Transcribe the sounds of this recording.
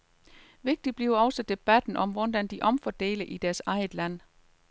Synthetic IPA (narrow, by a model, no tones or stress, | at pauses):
ʋe̝ɡ̥̚d̥ib̥liɐʊɒ̽sɒd̥e̝b̥æd̥n̩ʔɒ̽mʋɒnd̥ænd̥iʔɒ̽mfɒd̥e̝̰ːləʔid̥æɐsɑ̈ɪð̥ˠlæn̰